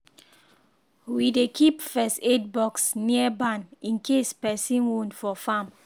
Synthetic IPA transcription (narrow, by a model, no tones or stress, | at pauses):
widekʰipfɛstet̚bɔksniəbãnĩnkʰespɛsĩnwõnfɔfãm